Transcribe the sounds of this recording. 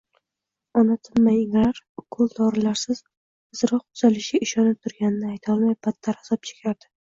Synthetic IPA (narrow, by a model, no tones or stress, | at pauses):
ɒnat̪ʰɪnmajɪŋɾaɾkʰʊlˠd̪ɒɾɪlaɾsɪz̥ | ɨz̥ɾɒqt̪ʰʊz̥alɪʃɪʔɪʃɒnɪp̚t̪ʰʊɾɡʲanɪnɪajt̪ʰɒlˠmajbat̪ʰːaɾasɒp̚t͡ʃʰe̥kʲʰaɾd̪ɪ